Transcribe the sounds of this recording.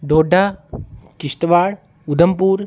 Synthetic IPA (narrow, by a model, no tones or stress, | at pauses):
d̪oːɖʱa | kɪst̪ʋaːɽ | ud̪ʱəmpuːɾ